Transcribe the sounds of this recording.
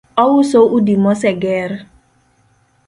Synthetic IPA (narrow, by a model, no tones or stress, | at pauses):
ɔwʊsoʔudimɔsɛɡɛɾ